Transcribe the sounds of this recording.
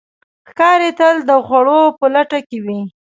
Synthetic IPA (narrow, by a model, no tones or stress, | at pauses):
xkɑɾet̪əld̪əxwaɽopəlaʈakewi